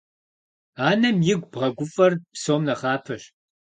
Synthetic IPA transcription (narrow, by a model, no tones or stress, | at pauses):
aːnɐmjɪɡʷbʁɐɡʷʊfʼɐrpsoːmnɐχɑːpʰɐɕ